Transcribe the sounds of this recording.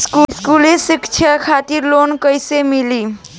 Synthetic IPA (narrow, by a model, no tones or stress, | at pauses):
skuskulesikt͡ʃʰəkʰat̪iɾlonkəjsemili